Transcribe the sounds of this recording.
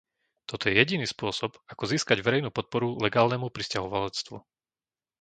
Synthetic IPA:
t̪ɔt̪ɔjɛjɛɟiniːspʊɔsɔbakɔziːskaɟʋɛɾɛjnuːpɔt̪̚pɔɾulɛɡaːlnɛmupɾiscaɦɔʋalɛt͡st̪ʋṵ

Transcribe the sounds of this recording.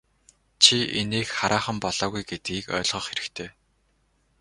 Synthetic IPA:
t͡ɕʰieneːkχaɾʔaːχə̆mpɔɮ̥ɔːɣujɡet̪̚ɡiːkœ̰ːɮʁɞ̆ːχxeɾɘ̆kt̪ʰeː

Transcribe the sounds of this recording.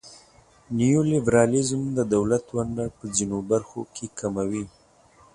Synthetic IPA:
nijolɪbɾɑlɪzmd̪əd̪awlat̪waɳɖapəzinobaɾxo̰kʰekʰamawi

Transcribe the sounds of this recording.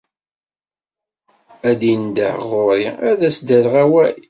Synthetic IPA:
æd̪ind̪ə̰ħʁʊɾiæðæsd̪ælʁæwæj

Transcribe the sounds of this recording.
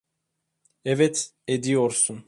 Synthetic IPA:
ɛvɛt̪ | ed̪ijoɾsun

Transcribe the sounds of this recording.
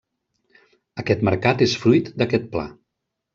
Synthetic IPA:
əkɛt̪məɾkat̪esfɾujt̪d̪əkɛt̪̚pla̰

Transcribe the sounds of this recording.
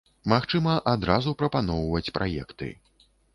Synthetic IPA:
maxt͡ʂɨmɐʔad̪ɾazupɾɐpanɔwvɐt͡sʲpɾajɛkt̪ɨ̰

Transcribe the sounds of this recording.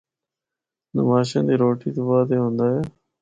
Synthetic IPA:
nə̰maːʃãːnd̪iːɾoːʈiːt̪oːʋaːd̪eːɦõːnd̪aːɦeː

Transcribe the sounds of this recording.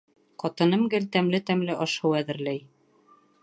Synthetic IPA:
qɑt̪ɤ̆nɤmɡɘlt̪æmlɘt̪æmlɘʔɑʃɤwæðɘ̆ɾlæj

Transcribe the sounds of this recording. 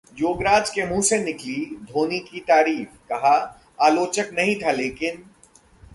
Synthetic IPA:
joːɡɾaːd͡ʒkemũːsenɪklid̪ʱoːnikit̪aːɾiːfkɐɦa | aːloːt͡ʃəknɐɦĩt̪ʰaleːkɪn

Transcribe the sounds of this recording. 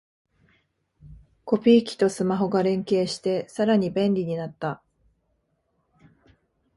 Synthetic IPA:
ko̞pʲiːkʲi̥t̪o̞sɨmaɦo̞ɡaɾẽ̞ŋke̞ːɕi̥t̪e̞saɾaɲ̟ibẽ̞nɾʲiɲ̟inat̪ːa

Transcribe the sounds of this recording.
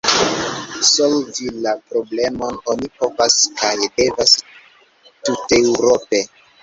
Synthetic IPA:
solvilapɾo̞ble̞mo̞no̞nipo̞vaskajde̞vas | tutewɾo̞pe̞

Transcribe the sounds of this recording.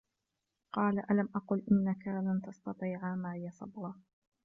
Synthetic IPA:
qɑːlaʔalamʔɑqʊlʔɪnːakalant̪ɑst̪ɑt̪ˤiːʕamaːhɪjːasˤɑbɾɑ

